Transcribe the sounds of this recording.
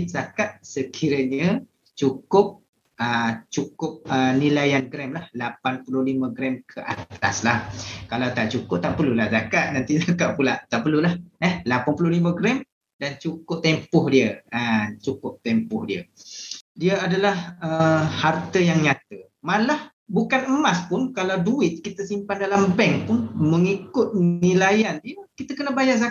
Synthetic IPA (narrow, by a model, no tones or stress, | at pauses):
zakat̪̚səkʰiɾəɲə | t͡ʃukʊp̚ | ət͡ʃukʊp̚ənilajanɡɾɛmlahlapanpululiməɡɾɛmkʰəʔa̰t̪a̰slahkalawt̪aʔt͡ʃukʊp̚t̪aʔpəlulahzakaʔ̪̚nant̪izakaʔpulaʔt̪aʔpəlulahəhlapanpulʊliməɡɾɛm | dant͡ʃukʊp̚t̪ɛmpʊhdiəat͡ʃukʊp̚t̪ɛmpʊhdiə̰ | diəadalahəhart̪əjaŋɲat̪ə | malah | bukanəmaspʊnkalawduɪt̪̚kit̪əsimpandalambɛŋpʊnməŋikʊt̪̚nilajandiəkit̪əkənəbajaʔza